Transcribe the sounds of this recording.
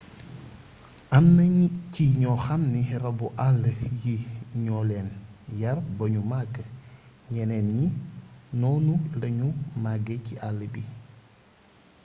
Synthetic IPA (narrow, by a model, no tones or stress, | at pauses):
ʔɐmnɐciɲɔxɐmniɾɐbuʔalːəjiɲɔːlɛːnjɐrbɐɲumaɡə | ɲɛnɛnɲinɔːnulɐɲumaɡeciʔalːəbi